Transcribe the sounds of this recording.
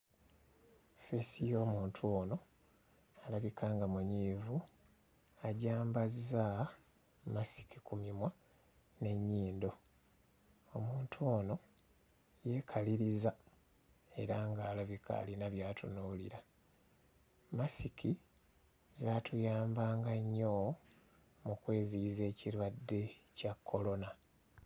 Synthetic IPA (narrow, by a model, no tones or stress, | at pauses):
fesijo̞ːmuːntʰuono̞ | alaβikʰaːŋɡamuɲiːvu | aɟaːmbaza | masi̥kikumimwa | ne̞ɲːiːndo̞ | omuːntʰuono̞ | je̞kʰaliɾiza | e̞̰ɾaŋɡaːloβikʰa̰linaβjaːtʰunoːliɾa | masiki | zaːtʰujaːmbaːŋɡaɲːo | mukwe̞ːziːze̞ːciɾwadːe̞cakʰːo̞lo̞na